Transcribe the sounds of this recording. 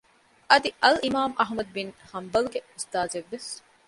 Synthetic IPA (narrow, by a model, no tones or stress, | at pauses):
ʔɐd̪iʔɐlimaːmʔɐɦmɐd̪̚binhɐmbɐluɡeust̪aːzeʋːes